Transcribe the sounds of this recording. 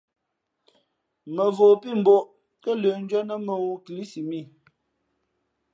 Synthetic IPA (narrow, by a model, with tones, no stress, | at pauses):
mə˨voː˨pi˦˨m̩˨bɔ˦ʔ | kə˦lə˨n˦d͡ʒə˦nə˦mə˨wu˦kli˦si˨mi˦˨